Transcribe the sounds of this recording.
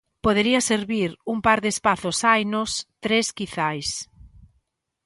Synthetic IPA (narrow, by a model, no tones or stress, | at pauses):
poðeɾiɐseɾβiɾuŋmpaɾðespaθʊsajnʊst̪ɾeskiθajs